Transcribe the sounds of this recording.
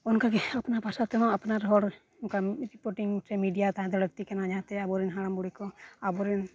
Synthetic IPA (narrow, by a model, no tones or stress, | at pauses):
ɔnkaɡɛapnabʱasat̪ɛɦɔ̃apnaɾɦɔɽ | ɔnkaɾipɔɾʈiŋtɾɛmiɖijat̪aɦãd̪ɛləɡ̚t̪ikɛnad͡ʒat̪ɛabɔɾinɦaɽambuɽikɔabɔɾin